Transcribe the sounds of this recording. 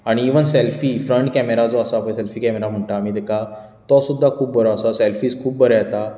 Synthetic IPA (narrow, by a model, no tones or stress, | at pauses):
aɽ̃iːʋənselfiːfɾəɳʈkɛmeɾad͡zɔasaːpəɳselfiːkɛmeɾam̤əɳʈaːm̤iːd̪ɛkʰa | t̪ɔsud̪ʱːakʰuːp̚bʱəɾɔasasɛlfiːskʰuːp̚bəɾɛat̪a